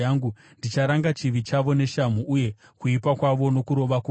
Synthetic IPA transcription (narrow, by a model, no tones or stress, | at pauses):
aŋɡu | ndit͡ʃaɾaŋɡat͡ʃiʋit͡ʃaʋo̞ne̞ʃam̤uʔuje̞ | kuipakwaʋo̞no̞kuɾo̞ʋaku